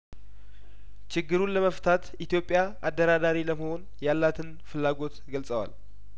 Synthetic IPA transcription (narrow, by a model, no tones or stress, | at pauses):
t͡ʃɪɡːɨɾunləməft̪ʰat̪it̪jo̞pʼːjaʔad̪ːəɾad̪aɾiləməho̞n | jalːat̪ʰɨn | fɨlːaɡo̞t̪ɡəlsʼəwa̰l